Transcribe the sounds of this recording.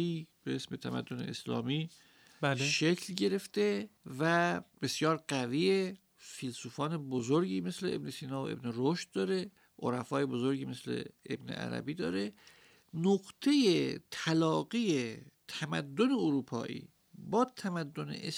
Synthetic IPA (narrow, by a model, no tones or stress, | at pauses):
iːb̥eesme̞t̪ʰæmæ̰d̪ːone̞̰eslɒ̰ːmiː | ʃe̞cʰlɟe̞ɾe̞ft̪e̞væb̥e̞sjɒːɾɢæviːe | filsuːfɒːnebozoɾɟiːme̞sle̞ḛbnesiːnɒːvoʔe̞bneɾoʃt̪̚d̪ɒːɾe̞ | ʔo̰ɾæfɒːjebo̞zoɾɟiːme̞slḛḛbne̞̰ʔæ̰ɾæ̰biːd̪ɒ̰ːɾe | noɡt̪ʰe̞jet̪ʰælɒːɡijet̪ʰæmæd̪ːoneoɾuːpʰɒ̰ːʔḭː | bɒːt̪ʰæmæd̪ːonḛʔes